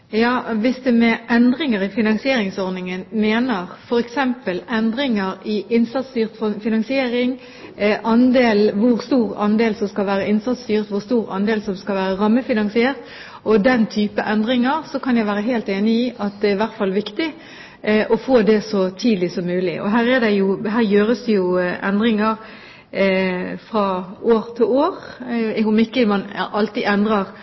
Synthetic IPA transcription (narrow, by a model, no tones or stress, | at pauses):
jɑːʋɪsd̪ɛmɛʔɛnd̪ɾɪŋəɾɪfɪnɑŋsɪeːɾɪŋsɔɾnɪŋənmeːnəʁfɔɾɛksɛmpəlɛnd̪ɾɪŋəɾɪʔɪnsɑt̪st̪yːʁt̪ffɪnɑŋsɪeːɾɪŋ | ʔɑnd̪eːlʋʊɾst̪uːʁɑ̰nd̪eːlsɔmskɑlʋæːɾəɪnsɑt̪st̪yːɾət̪ʋʊʁst̪uːɾɑ̰nd̪eːlsɔmskɑlʋæːɾəʁɑmːəfɪnɑŋsɪeːʁt̪ | ʔɔd̪ɛnt̪ʰyːpəʔɛnd̪ʁɪŋəɾsɔkʰɑnjæɪʋæːɾəɦeːlt̪eːnɪiːʔɑt̪̚d̪ɛæɪʋæʁt̪fɑlːʋɪkt̪ɪ | ʔɔfoːd̪ɛsɔt̪ʰiːd̪lɪsɔmːʉːlɪʔɔ̰ɦæːɾɛd̪ɛɪjʊɦæːʁjøːɾəsd̪ɛjʊʔɛ̰nd̪ʁɪŋəʁ | fʁɑoːʁt̪ʰɪloːʁʊmɪkːəmɑnʔɑlt̪iːɛnd̪ʁɑʁ